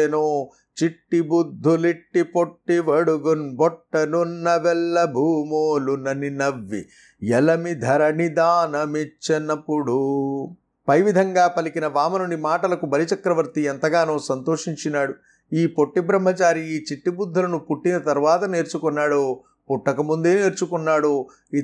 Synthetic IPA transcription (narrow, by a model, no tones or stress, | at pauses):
enoː | t͡ʃiʈːibud̪ʱːuliʈːipoʈːiʋɐɽuɡunbɔʈːɐnunːɐʋɛlːɐbʱuːmoːlunɐninɐʋːḭ | jɛlɐmid̪ʱɐɾɐnid̪aːnɐmit͡ʃːɐnɐpːuɽu | pɐjʋid̪ʱɐŋɡaːpɐlikinɐʋaːmɐnuɳɖimaːʈɐlɐkubɐlit͡ʃɐkɾɐʋɐɾt̪iɛnt̪ɐɡaːnoːsɐnt̪o̞ːʂiɲt͡ʃinaːɽu | iːpoʈːibɾɐm̤ːɐt͡ʃaːɾiiːt͡ʃiʈːibud̪ʱːɐlɐnupuʈːinɐt̪ɐɾʋaːt̪ɐneːɾt͡ʃukunːaːɽu | puʈːɐkɐmund̪eːneːɾt͡ʃukunːaːɽu | i